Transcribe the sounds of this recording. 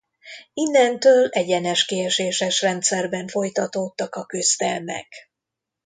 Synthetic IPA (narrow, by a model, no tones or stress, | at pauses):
inːɛnt̪øːlɛɟɛnɛʃkeːɛʃeːʃɛʃrɛnt̪sɛrbɛɱfo̞jt̪ɒt̪ot̪ːɒkɒkøst̪ɛlmɛ̰k